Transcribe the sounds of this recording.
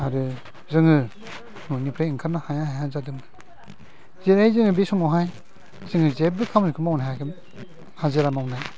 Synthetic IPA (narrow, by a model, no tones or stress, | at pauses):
aɾɯ | zɯŋɯ | nunipʰɾajɯŋkʰaɾnahajahajazadɯmɯ | zeɾajzɯŋɯbesɔŋɔɦaj | z̥ɯŋɯzeb̚bɯkʰamnɯkʰɯmawnajɦakʰɯm | hazeɾamawnaj